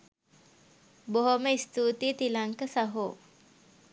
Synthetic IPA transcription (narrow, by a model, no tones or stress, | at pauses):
boɦoməist̪uːt̪it̪ilaŋkəsaɦoː